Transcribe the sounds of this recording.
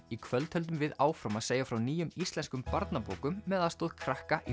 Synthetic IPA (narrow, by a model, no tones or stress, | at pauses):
ikʰvœlt̪hœlt̪̬ʏmvɪðaːwfɾamaðseːjafɾawniːjʏmist̪lɛnskʏmpaɾt̪napo̰ːwkʏmːɛðaðst̪oːðkʰɾahkaʔi